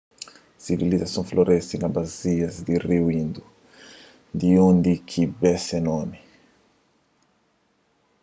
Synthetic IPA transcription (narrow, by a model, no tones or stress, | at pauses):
sivilizasɔ̃flɔɾʔɛst̪iŋabaziasd̪iriwind̪u | nd̪iund̪ikʰibɛsɛnɔmi